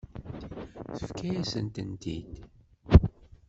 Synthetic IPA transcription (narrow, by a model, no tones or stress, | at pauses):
θə̥fkʰæjæsənt̪ənd̪ḭd̪